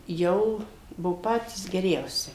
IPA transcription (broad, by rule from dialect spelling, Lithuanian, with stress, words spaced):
ˈjɛʊ ˈbʊʋoː ˈpɑːtʲiːs ɡʲɛˈrʲɛʊsʲɪ